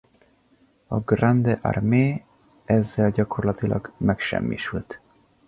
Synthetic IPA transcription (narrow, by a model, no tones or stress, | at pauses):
ɒɡrand̪ɛʔa̰rmeː | ɛzːɛlɟɒko̞rlɒt̪ilʔɒ̰ɡmɛkʃɛ̰mːḭʃylt̪